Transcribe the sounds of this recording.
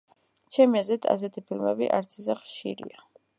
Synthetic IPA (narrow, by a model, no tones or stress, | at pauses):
t͡ʃʰɛmiazɛt̪ʰa̰s̬ɛt̪ʰipʰilˠmɛ̰bḭʔaɾt̪sʰizɛχʃḭɾḭa